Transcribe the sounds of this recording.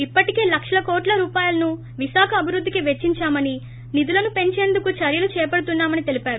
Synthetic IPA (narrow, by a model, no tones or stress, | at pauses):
ipːɐʈike̞ːlɐkʂɐlɐkoːʈlɐɾuːpaːjulɐnu | ʋiʃaːkʰɐːbʱiɾud̪ʱːikiʋet͡ʃːiɲt͡ʃaːmɐni | nid̪ulɐnupe̞ɲt͡ʃe̞ːnd̪ukut͡ʃɐɾjɐlut͡ʃɛːpɐɽut̪unːaːmɐnit̪elipaːɾu